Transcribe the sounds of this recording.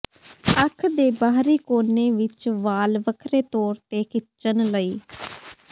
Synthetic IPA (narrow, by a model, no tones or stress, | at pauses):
əkʰd̪eːbaːɦɾiːkoːneːʋɪt͡ʃʋaːlʋəkʰɾeːt̪ɔːɾt̪eːkɪt͡ʃənləiː